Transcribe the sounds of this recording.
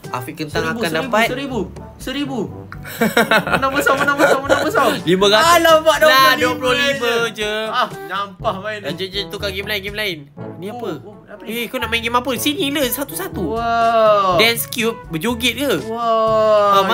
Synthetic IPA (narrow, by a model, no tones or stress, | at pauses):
a̰fikənt̪aŋiabuandaipatsəɾibu | səɾibu | naəsaənãbəsamənãbəsaliməɡaalabaʔdnaduəploliməd͡ʒəanampahbaiad͡ʒəd͡ʒənt̪ukaɡimlainɡimlaɪnnĩapə | aekonaʔmãŋɡimapəsiniləsat̪usat̪u | dɛnskjup̚bəd͡ʒuɡit̪̚kə | ama